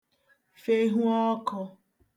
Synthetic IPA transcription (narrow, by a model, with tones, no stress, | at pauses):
fe˦ɦu˦ɔ˦kɔ˧